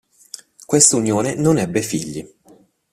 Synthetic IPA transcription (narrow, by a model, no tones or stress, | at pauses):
kwest̪unjoːnenonɛbːefiʎːi